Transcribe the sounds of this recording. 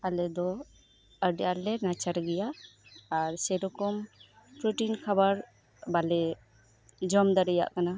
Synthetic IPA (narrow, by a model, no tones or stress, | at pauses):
alɛd̪ɔ | əɖjalɛnat͡ʃaɾɡɛjaː | ɾsɛɾɔkɔm | pɾuʈinkʰabaɾ | balɛ | d͡ʒɔmd̪aɾɛja̰ʔkana